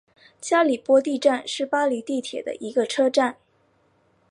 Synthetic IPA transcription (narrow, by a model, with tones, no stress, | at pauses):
t͡ɕja˥li˨˩pwɔ˥t̪i˥˧ʈ͡ʂa˥˧nʂɻ̩˥˩pa˥li˧˥t̪i˥˩t̪ʰjɛ˨˩d̪ə̰˦ʔi˧˥ɡə˧ʈ͡ʂʰɤ˥ʈ͡ʂa˥˩n